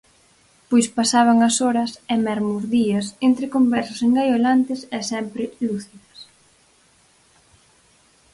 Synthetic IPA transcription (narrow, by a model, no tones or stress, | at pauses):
pojspasaβ̞ɐŋɐsɔɾɐsɛmɛɾmuzðiɐsent̪ɾɪkombɛɾsʊseŋɡajolant̪ɪsɛsɛmpɾɪluθiðɐs